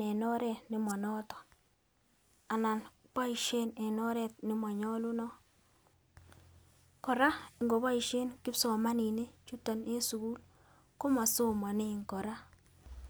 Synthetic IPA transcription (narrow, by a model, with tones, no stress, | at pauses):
ɛ˨nɔ˦ɾɛ˦˨nɪ˦mɔ˨nɔ˦tɔ̥˨ | a˨na˨n | k͡pa˦i˨ʃe˦nɛ˨nɔ˦ɾɛ˦˨t̚nɪ˦ma˨ɲɔ˦lu˦nɔ˦ | kɔ˨ɾa˦ɪ˨ŋɡo˨βa˦i˨ʃe˦nkɪ˦psɔ˨ma˦ni˨ne˦t͡ʃu˦tɔ˨ne˦su˨ku˦l | ko˦ma˨so˦ma˨ne˦ŋkɔ˨ɾa˦